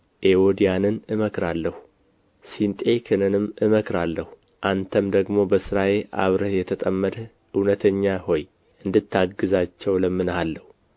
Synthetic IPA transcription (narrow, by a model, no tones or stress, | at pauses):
ʔewod̪ijanɨnɨməkɾalːəhu | sint̪ʼe̞kʰɨnɨnɨmːʔɨməkɾalːəhu | ʔant̪ʰəmd̪əɡmo̞bəsɨɾaje̞ʔa̰βɾəhjɛt̪ʰət̪ʼəmːəd̪ə | ɨwnət̪ʰəɲːaho̞j | ʔɨnd̪ɨt̪ʰːaɡːɨzat͡ʃːɛwləmːɨnhalːəhu